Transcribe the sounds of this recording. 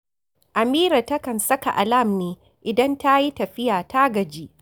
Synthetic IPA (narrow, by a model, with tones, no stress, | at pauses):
ʔa˨miː˦ɾa˨tɐ˦kɐ˨nsɐ˦ka˨ʔa˨la˦˨mneː˦ | ʔɪ˨dɐ˦nta˦ji˦tɐ˨ɸɪ˦jaː˨taː˦ɡɐ˨d͡ʒiː˦ʔ